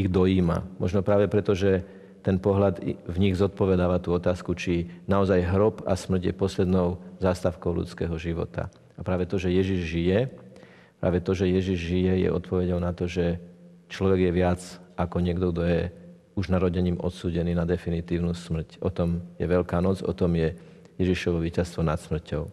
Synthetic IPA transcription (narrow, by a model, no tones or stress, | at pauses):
iɣd̪ɔiːma̰mɔ̰ʒnɔpɾaːʋɛpɾɛt̪ɔʒɛ | t̪ɛnpɔɦlad̪vɲiɣzɔt̪̚pɔʋɛd̪aːʋat̪uːɔt̪aːskut͡ʃinaɔzajɦɾɔpa̰smr̩ɟjɛ̰pɔslɛd̪nɔʊzaːst̪aʊkɔʊlṵt͡skɛːɦɔʒiʋɔ̰t̪a̰ | apɾaːʋɛt̪ɔʒɛjɛʒiʒʒijɛ | pɾa̰ːʋɛt̪ɔʒɛjɛʒiʒʒijɛjɛ̰ɔt̪pɔʋɛɟɔʊnat̪ɔʒɛ | t͡ʃlɔʋɛɡjɛʋɪad͡zakɔɲɪɛɡd̪ɔɡd̪ɔjɛ | uʒnaɾɔɟɛɲiːmʔɔ̰t̪suːɟɛniːnad̪ɛfinit̪iːʊnuːsmr̩cɔt̪ɔmjɛʋɛʎkaːnɔd͡zɔ̰t̪ɔmjɛ | jɛʒiʃɔʋɔʋiːcast̪ʋɔnat̪smr̩cɔʊ